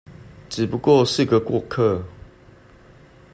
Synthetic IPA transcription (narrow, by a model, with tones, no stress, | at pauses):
ʈ͡ʂɻ̩˨˩pu˧kwɔ˥˨ʂ̩˥˧ɡə˨kwɔ˥˨kʰə˥˨